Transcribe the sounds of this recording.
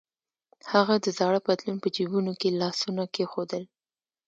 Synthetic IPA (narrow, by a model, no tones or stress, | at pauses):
haɣad̪əzɑɽəpat̪lunpəd͡ʒibunokelɑsunakexod̪əl